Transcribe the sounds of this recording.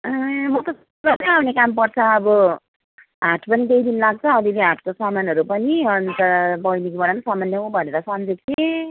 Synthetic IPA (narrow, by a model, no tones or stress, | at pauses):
ʌmʌt̪ʌs | lat͡sʌawnekampʌrt͡sʰʌːbʌ | ɦaʈʰpʌnit̪ejd̪inlaɡ̚t͡sʰʌːd̪ileɦaʈʰkosamanɦʌɾupʌniʌnt̪abʌjnikbʌɽamasʌmʌnːjʌũbʱʌneɾʌsʌmd͡zekʰe